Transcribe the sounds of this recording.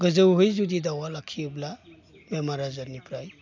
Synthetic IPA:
ɡəzəwɦɯjzudidawalakʰːiɯbla | bemaɾazaɾnipɾaj

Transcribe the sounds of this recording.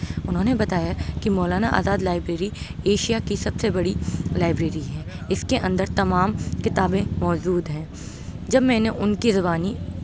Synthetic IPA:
ʊnɦõːnebɐt̪aːjakimɔːlaːnaʔa̰ːzaːd̪laːɪbɾeːɾieːʃijakisɐbsebɐɽilaːɪbɾeːɾiɦɛ̃ː | ɪskeʔɐ̃nd̪əɾt̪ɐmaːmkɪt̪aːbẽmɔːd͡ʒuːd̪ɦɛ̃ː | d͡ʒɐbmɛ̃ːneʔʊnkizɐbaːni

